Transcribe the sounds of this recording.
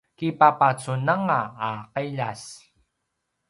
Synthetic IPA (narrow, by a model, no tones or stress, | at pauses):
kipapat͡sunaŋaːqeʎas